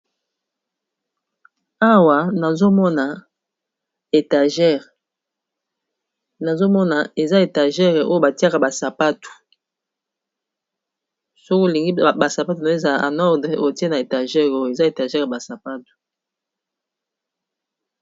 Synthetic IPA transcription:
a˦wa˨na˨zo˦mɔ˦na˨ | e˨ta˨ʒɛ˦˨ʁ | na˨zo˦mɔ˦na˨e˨za˦e˨ta˨ʒɛ˦ʁɛ˨ʔo˦jo˦ba˨ti˦a˦ka˨ba˨sa˨pa˦tu̥˨ | so˦kli˨ŋɡi˦ba˨sa˨pa˦tu˨na˨e˦za˨ʔa̰˨nɔ˦ʁdʁɛ˨ʔo˦˨ti˦e˦na˨e˨ta˨ʒɛ˦ʁo˦jo˨e˨za˦e˨ta˨ʒɛ˦ʁɛ˨ba˨sa˨pa˦tu̥˨

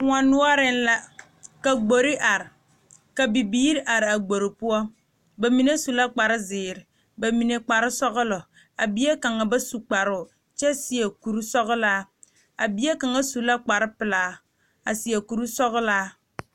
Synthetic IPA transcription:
ŋʷa˨nʊ˦ɔ˦ɾɪ˦n˦la˦ | ka˨ɡ͡bo˨ɾi˦ʔa˨ɾɪ˨ | ka˨bi˨biː˦ɾɪ˦ʔa˨ɾɪ˨a˨ɡ͡bo˨ɾɪ˨pu˦ɔ˦ | ba˨mi˨ne˦su˨la˦k͡pa˨ɾɪ˦zɪː˨ɾɪ˨ | ba˨mi˨ne˨k͡pa˨ɾɪ˦sɔ˦ɣʊ˦lɔ˨ | a˨bi˦e˦ka˨ŋa˨ba˦su˨k͡pa˨ɾʊ˦˨ | t͡ʃɛ˦si˨e˨ku˨ɾu˦sɔ˦ɣla˦ | a̰˨bi˨˦e˦ka˨ŋa˦su˨la˦k͡pa˨ɾɪ˦pɪ˨laː˨ | a̰˨si˨e˨ku˨ɾu˦sɔ˦ɣʊ˦laː˦

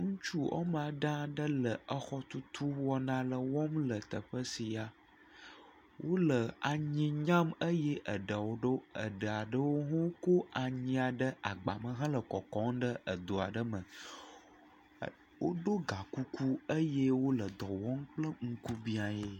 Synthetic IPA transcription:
ŋũ˦t͡ʃu˦ɔ̰˦m˨a˨ɖã˦ɖə˦lə˨ə˦xɔ˦t̪u˦t̪ʰu˦wɔ˦nã˦lə˨wɔ˦mlə˨t̪ə˨ɸə˦si˨a˨ | wʔo˦lə˨a˨ɲĩ˨ɲã˦mə˦jɛ˦ʔə˨ɖə˨wo˦ɖo˦ə̰˨ɖə˨a˨ɖə˦wo˦ɦɔ̃˦ko˦a˨ɲĩ˦a˨ɖə˦a˨ɡ͡ba̰˨mə̃˨ɦã˦lə˨kɔ˨kɔ̃˦ŋɖə˦ə˨d̪o˨a̰˨ɖə˦mə̃˨ | wo˦ɖo˦ɡa˨ku˦ku˦ə˦je˦wo˦lə˨d̪ɔ˨wɔ˦ŋk͡plə˦ŋ̩˦ku˦bi˦a˨je˦

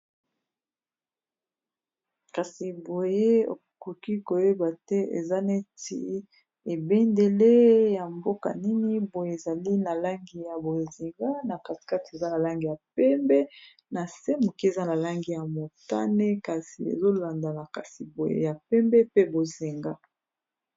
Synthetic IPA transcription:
ka˨si˨bo˨je˦o̰˨ko˨ki˦ko˨je˦ba˨tɛ˦ʔḛ˨za˦ne˦ti˦ | e˨be˦nde˨le˦ja˨mbo˦ka̰˨ni˦ni˦bo˨je˦e˨za˨li˦na˨la˦ŋɡi˨ja˨bo˨zi˨ŋɡa˦na˨ka˨ti̥˨ka˦ti˨e˨za˦na˨la˦ŋɡi˨ja˨pɛ˦mbɛ˦ | na˨se˦mo˨ki˦e˨za˦na˨la˦ŋɡi˦ja˨mo˨ta̰˦ne˦ka˨si˨ḛ˨zo˦la˨nda˨na˨ka˨si˨bo˨jḛ˦ja˨pɛ˦mbɛ˦pe˦bo˨zi˨ŋɡa˦

